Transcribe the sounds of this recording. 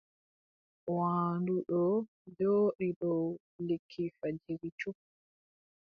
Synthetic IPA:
waːnduɗɔ | d͡ʒoːɗiɗɔ | lekʰːifad͡ʒiɾit͡ʃu

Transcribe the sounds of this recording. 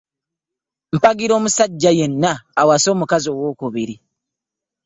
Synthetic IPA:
m̩paɡiɾo̞ːmusaɟːajenːaːwaso̞ːmukazio̞ːwo̞ːkuβiɾi

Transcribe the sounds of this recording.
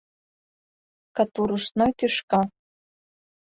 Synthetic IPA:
kɑt̪uɾuʃnojt̪yʃkɑ

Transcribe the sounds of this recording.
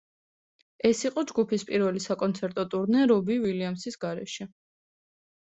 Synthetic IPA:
ɛsiqʼɔd͡ʒɡupʰispʼiɾvɛlisakʼɔnt̪sʰɛɾt̪ʼɔt̪ʼuɾnɛɾɔbiviliamsisɡ̥aɾɛ̰ʃɛ

